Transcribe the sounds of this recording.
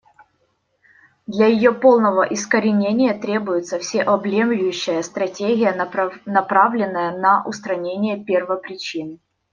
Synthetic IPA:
d̪lʲɐjɪjo̞po̞lˠnəvəʔɪskəɾʲɪnʲenʲɪjət̪ɾʲe̞bʊjʊt̪səfsʲeʔɐblʲemlʲʊjʉɕːɪjəst̪ɾɐtʲeɡʲɪjənɐpɾavlʲɪnːəjənɐʔʊst̪ɾɐnʲenʲɪjəpʲervəpɾʲɪt͡ɕin

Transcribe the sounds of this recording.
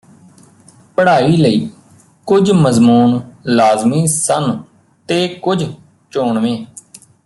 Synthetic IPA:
pəɽaːiːləiː | kʊd͡ʒməzmuːnlaːzmiːsən | t̪eːkʊd͡ʒ | t͡ʃoːɳʋẽː

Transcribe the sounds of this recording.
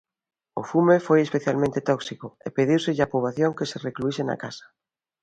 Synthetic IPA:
ʊ̰fumefojespeθjalmẽnt̪et̪ɔksikoḛpeðiwsɪʎapuβaθjoŋkeserekluisena̰kasḁ

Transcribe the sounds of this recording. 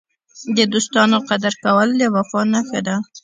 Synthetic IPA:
d̪əd̪ost̪ɑnoqad̪aɾkawəlːəwafɑnaxəd̪a

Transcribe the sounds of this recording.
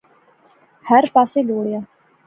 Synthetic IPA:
həɾpaːseːd͡ʒoːɽɪjaː

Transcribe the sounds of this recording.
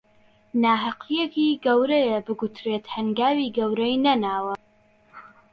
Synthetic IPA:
naːɦaqʰijekiːɡɐwɾɐjɐbɨɡut̪ɾeːt̪hɐŋɡaːwiːɡɐwɾɐjnɐnaːwɐ

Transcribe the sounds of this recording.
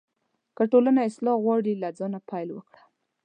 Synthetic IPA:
kəʈolanaɪslɑɣwɑɽilad͡zɑnapajlwə̰kɽḁ

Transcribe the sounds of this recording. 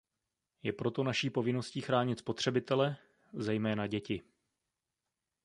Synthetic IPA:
jɛpɾo̞t̪o̞naʃiːpo̞vɪno̞sciːxɾaːɲɪt̪spo̞t̪r̝̥ɛbɪt̪ɛlɛ | zɛjmɛːnaɟɛcɪ

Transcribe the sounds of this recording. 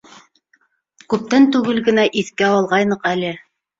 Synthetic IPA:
kʉp̚t̪ænt̪ʉɡɘlɡɘ̆næʔiθkæɑlˠʁɑjnɤqælɘ

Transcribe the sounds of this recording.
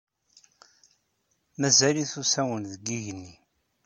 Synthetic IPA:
mæzæliθusæwənðəɡiʝənːi

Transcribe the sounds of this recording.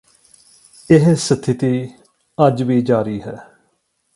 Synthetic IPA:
ɪɦsət̪ʰːɪt̪iː | əd͡ʒʋiːd͡ʒaːɾiːɦɛː

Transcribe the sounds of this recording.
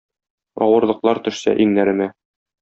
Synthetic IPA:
ɒwɤ̆ɾlˠɤ̆qlˠɑɾt̪ɵ̆ʃsæ̰ʔiŋnæɾɘ̆mæ

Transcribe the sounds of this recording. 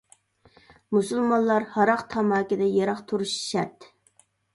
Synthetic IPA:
musulˠmɑnlˠɑɾhɑɾɑqt̪ʰɑmɑːkʲɪd̪ɛjɑɾɑqt̪ʰuɾuʃi̥ʃɛt̪

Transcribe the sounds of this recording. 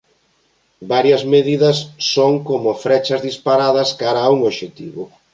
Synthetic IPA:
baɾjɐzmeðiðɐsːoŋkomʊfɾɛt͡ʃɐzðispaɾaðɐskaɾɐuŋoʃet̪ḭβʊ

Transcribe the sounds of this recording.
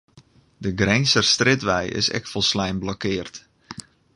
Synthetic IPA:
dəɡrɛjnsərstrɪtʋɛjɪ̰sɛ̰kfɔlˠslɛjmblokɪːrt

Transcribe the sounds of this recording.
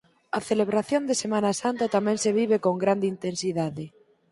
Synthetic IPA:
aθeleβ̞ɾaθjond̪esemãnasant̪at̪amɛ̃ŋnseβiβekoŋɡɾand̪eint̪ensiðaðe

